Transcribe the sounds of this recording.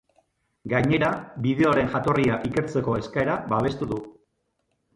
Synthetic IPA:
ɡajɲe̞ɾabiðe̞oɾe̞nʝat̪o̞riaʔike̞ɾt͡se̞ko̞e̞skaeɾaβaβ̞e̞st̪uðu

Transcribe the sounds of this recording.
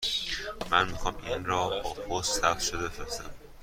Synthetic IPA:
mænmixɒːminɾɒːbɒːpʰossæbʃod̪ebefɾesæm

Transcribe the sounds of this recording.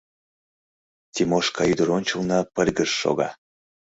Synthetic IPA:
t̪ʲimoʃkɑyd̪ə̆ɾonʲt͡ɕulnɑpə̆lʲɣəʃːo̰ɣɑ

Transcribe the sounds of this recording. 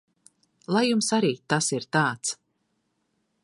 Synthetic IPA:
lˠajumsaɾiːt̪asiɾt̪aːt̪s

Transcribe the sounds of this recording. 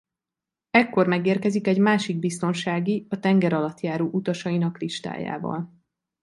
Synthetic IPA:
ɛkːo̞rmɛɡeːrkɛzikɛɟmaːʃiɡ̚bist̪o̞nʃaːɡiɒt̪ɛŋɡɛɾɒlɒt̪jaːɾoːʔut̪ɒʃɒinɒkliʃt̪a̰ːja̰ːvɒ̰l

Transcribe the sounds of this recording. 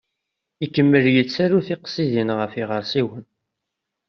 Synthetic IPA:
ikːəmːəljət͡sːæɾuθiqsiðinʁəfiʁəɾsiwən

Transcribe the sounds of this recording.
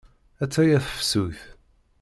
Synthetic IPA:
æt͡sːæjæθə̥fsuθ

